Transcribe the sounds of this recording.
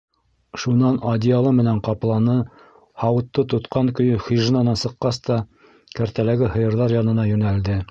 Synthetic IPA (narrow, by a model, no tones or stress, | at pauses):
ʃunɑnɑd̪ʲialˠɤmɘ̆næɴqɑplˠɑnɤ | hɑwɤ̆t̪ːɤt̪ŏt̪qɑŋkɵ̆jɵχiʒnɑnɑsɤ̆qːɑst̪ɑ | kæɾt̪ælæɡɘhɤ̆jɤ̆ɾðɑɾjɑnɤ̆nɑjʉ̆næld̪ɘ